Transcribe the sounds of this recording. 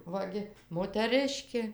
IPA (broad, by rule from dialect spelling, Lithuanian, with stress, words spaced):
ˈʋɐ ɡʲɪ moːtʲɛˈrɨʃʲkʲeː